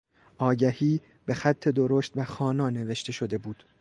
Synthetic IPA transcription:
ʔɒːɟæhiː | b̥e̞xæt̪ʰːe̞d̪oɾoːʃt̪væxɒːnɒːne̞ve̞ʃt̪ʰe̞ʃo̞d̪e̞buːd̪̥

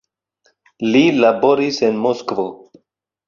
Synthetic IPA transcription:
lilaboɾisenmoskvo

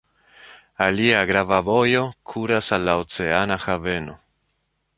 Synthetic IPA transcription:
aliaɣɾavavojokʰuɾasalaot͡seanaxaveno

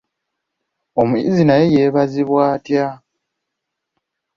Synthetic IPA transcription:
o̞muḭzinajejeːβaziβwaːtja

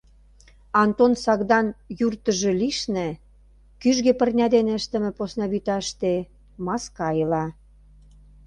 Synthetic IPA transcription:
ɑnt̪onsɑɣd̪ɑnjurt̪ə̆ʒĕliʃnĕ | kyʒɣĕpə̆rnʲɑd̪eneəʃt̪ə̆mĕposnɑβyt̪ɑʃt̪e | mɑskɑjəlɑ

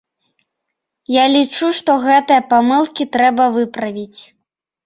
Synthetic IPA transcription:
jalʲit͡ʂuʂt̪ɔɣɛt̪ɨjɐpamɨlˠkʲit̪ɾɛbɐvɨpɾɐvʲit͡sʲ

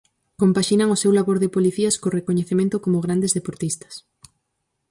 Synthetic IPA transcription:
kompaʃinɐŋosewlaβoɾðɪpoliθiɐskorekoɲeθemẽnt̪ʊkomoɣɾand̪ezðepoɾt̪ist̪ɐ̥s

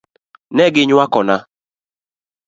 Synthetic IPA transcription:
nɛɡɪɲwakɔna

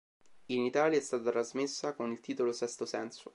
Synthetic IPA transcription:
init̪aːljaɛst̪aːt̪at̪ɾazmɪsːakonilt̪iːt̪olosɛst̪osɛnso

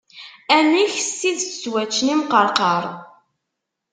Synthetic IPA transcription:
æniçsiðt͡sːwæt͡ʃːnimqəɾqəɾˤ

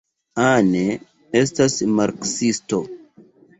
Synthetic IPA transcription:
ane | estasmaɾksisto

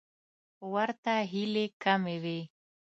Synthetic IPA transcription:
waɾt̪aɦilekamewe

